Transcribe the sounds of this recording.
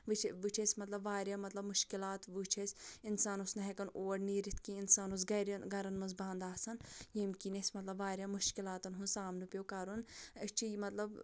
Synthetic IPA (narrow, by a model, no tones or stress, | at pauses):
ʋɨt͡ʃʰʋɨt͡ʃʰesʲmɐt̪lɐbʋaːɾʲjaːmɐt̪lɐbmʊʃkilaːt̪ʋut͡ʃʰesʲinsaːnusnɐɦekɐnoːɾniːɾit̪ʰkiinsaːnus̬ɡɐɾɐnɡɐɾɐnmɐnzbãːnd̪aːsɐnjemkinesʲmɐt̪lɐbʋaːɾjaːmuʃkilaːt̪ɐnɦunsaːmnɨpjokɐɾunɐt͡ʃʰimɐt̪lɐb